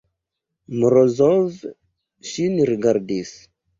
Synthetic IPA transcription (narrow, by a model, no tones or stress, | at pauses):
mɾɔzɔv | ʃiniɾiɡaɾdis